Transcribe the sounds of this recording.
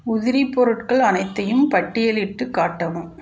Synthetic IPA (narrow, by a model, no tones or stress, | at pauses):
ʊðɪɾipːɔɾɯʈkɐɭɐnɐɪt̪ːɐjɯmpɐʈːɪjɐlɪʈːɯkːaːʈːɐʋɯm